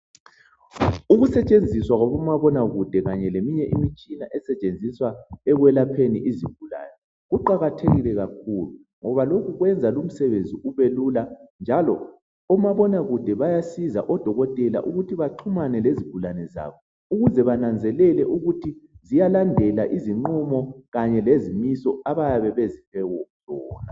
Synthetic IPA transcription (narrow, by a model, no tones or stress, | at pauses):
uɣusɛt͡ʃʼend͡zʱiswaɣɔβɔmaβɔnaɣud̥ʱɛɣaɲɛlemiɲɛʔimit͡ʃʼinaʔɛsɛt͡ʃʼend͡zʱiswaɛɣwɛlapʰenḭʔiziɡ̥ʱula̰nɛ | ɣuǃaɣatʰeɣilɛɣakʰulu | ŋɔβaloɣuɣwɛnd͡zʱalum̩sɛβend͡zʱiuβeluland͡ʒʱalɔ̰ | ɔmaβɔnaɣud̥ʱɛβajasiza̰ʔɔd̥ʱɔɣɔtʼɛla̰ʔuɣutʰiβaǃʰumanɛleziɡ̥ʱulanɛza̰βɔ | uɣuzɛβanand͡zʱɛlɛlɛʔuɣutʰizijalandʱɛlaʔiziŋ͡ǃumɔɣaɲɛlezimisɔaβajaβɛβezifɛwɔz̥ɔːna